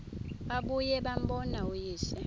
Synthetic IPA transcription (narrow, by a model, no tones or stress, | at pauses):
ɓaɓujɛɓam̩bɔnaujiːʃɛ